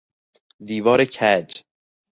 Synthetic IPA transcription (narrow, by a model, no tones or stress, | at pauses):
d̪iːvɒːɾecʰæd͡ʒ